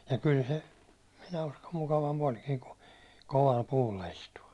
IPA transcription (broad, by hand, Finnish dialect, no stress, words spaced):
jɑ kyl se minæ uskom mukɑʋɑmp olʲkiː ku koʋɑl puːlːɑ istuɑ